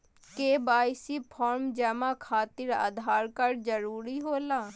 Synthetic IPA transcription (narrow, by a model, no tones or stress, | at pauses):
keːbaːɪsipʰɔːɾmd͡ʒɛːmãkʰaːt̪ɪɾa̰ːd̪ʱaːɾkəɾd͡ʒəɾuːɾiɦoːlaː